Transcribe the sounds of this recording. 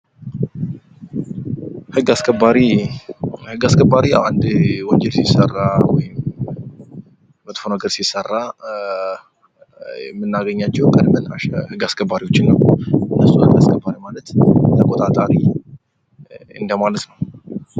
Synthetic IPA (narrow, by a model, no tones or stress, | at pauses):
hɨɡaskʰʼəbːaɾi | hɨɡaskʰʼəbaɾiʔa̰nd̪wɔnd͡ʒɛlsisːərːawɔ̰jɪm | mət̪ʼfonəɡəɾsisərːa | ɛmːɨnːaɡəɲːat͡ʃːɛhkʼəd̪mɨna̰ʃɛhɨɡaskʰʼəbːaɾiwo̞t͡ʃːɪnːəwɨnːəsːuhɨɡaskʼʰəbaɾimalət̪t̪ʰəkʼot̪ʼat̪ʼaɾi | ɨ̰nd̪əmalət̪nəw